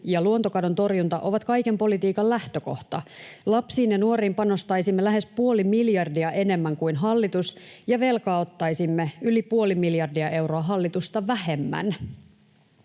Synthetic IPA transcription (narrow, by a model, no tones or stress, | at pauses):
jɑluont̪o̞kɑdo̞nt̪o̞rjunt̪ɑ̰ʔo̞ʋɑt̪kɑjke̞mpo̞lit̪iːkɑllæht̪øko̞̰ht̪ɑlɑpsiːnjɑnuo̞ɾriːmpɑno̞st̪ɑjsimːelæɦe̞spuo̞limiljɑrdiɑʔe̞ne̞mːæŋkuinɦɑlːit̪usjɑʋe̞lkɑːot̪ːɑjsimːeylipuolimiljɑrdiɑʔe̞wɾo̞ɑɦɑlːit̪ust̪ɑʋæhe̞mːæ̰n